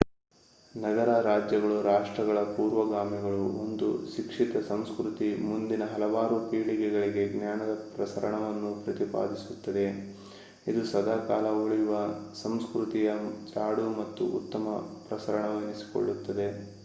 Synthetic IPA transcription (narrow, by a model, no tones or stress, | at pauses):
nɐɡɐɾaːɾaːd͡ʒjɐɡɐɭuɾaːʂʈɾɐɡɐɭɐpuːɾʋɐɡaːmiɡɐɭuo̰nd̪uʃikʂit̪ɐsɐmskɾut̪imund̪inɐɦɐlɐʋaːɾupiːɭiɡɛɡɐɭiɡe̞ɡnjaːnɐd̪ɐpɾɐsɐɾɐɳɐʋɐnːupɾɐt̪ipa̰ːd̪isut̪ːɐd̪e̞ | id̪usɐd̪ʱaːkaːlɐoɭijuʋɐsɐmskɾut̪ijɐt͡ʃaːɽumɐt̪ːṵʔṵt̪ːɐmɐpɾɐsɐɾɐɳɐʋenisi̥ko̰ɭːut̪ːɐd̪e̞